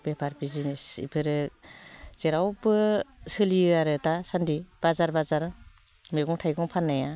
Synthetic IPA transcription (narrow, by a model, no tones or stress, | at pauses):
bepʰaɾbizinesḭpʰɯɾɯ | z̥eɾawbɯsɯliaɾɯtasandib̥azaɾbazaɾ | meɡɔŋtʰajɡɔŋpʰanːaja